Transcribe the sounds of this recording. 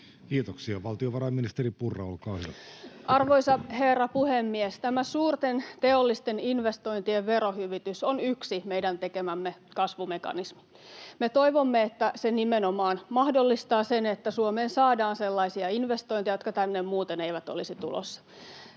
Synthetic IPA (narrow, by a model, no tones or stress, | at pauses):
kiːt̪oksiɑʋɑlt̪ioʋɑɾɑjminist̪eɾipurːɑ̰olkɑːhyʋʔɑrʋoisɑherːɑpuhemːiest̪æmæsuːrt̪ent̪eolːist̪eninʋest̪o̞int̪ieʋʋeɾohyʋit̪ysonyksimeidænt̪ekemæmːekɑsʋumekɑ̰nismi̥ | met̪oiʋomːeet̪ːæsenimenomɑːnmɑhdolːist̪ɑːsenet̪ːæsuomeːnsɑːdɑːnselːɑisiɑinʋest̪oint̪ijɑjot̪kɑt̪ænːemmuːt̪eneiʋæt̪o̰lisit̪ṵlo̰sːɑ̥